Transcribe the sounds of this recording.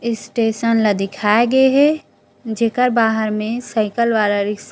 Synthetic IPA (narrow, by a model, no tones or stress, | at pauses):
ɪsʈeːʃənlad̪ɪkʰaːeɡəeɦɛ | d͡ʒeːkəɾbaːɦəɾmẽsəɪkəlʋaːlaɾɪks